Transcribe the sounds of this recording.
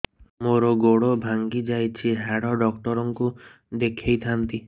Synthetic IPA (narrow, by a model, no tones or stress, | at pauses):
moɾɔɡoɽobʱaŋɡid͡ʒajt͡ʃʰiɦaɽɔɖɔkʈɔɾɔŋku | d̪ekʰejt̪ʰant̪i